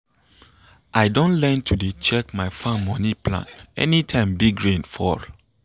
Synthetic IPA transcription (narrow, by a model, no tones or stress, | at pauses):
ʔaɪdõntlɛ̃ntʰudet͡ʃɛkmaɪfãmːɔ̃nipʰlã̰nɛ̰nitʰãɪ̃mbiɡɹẽnfɔɹ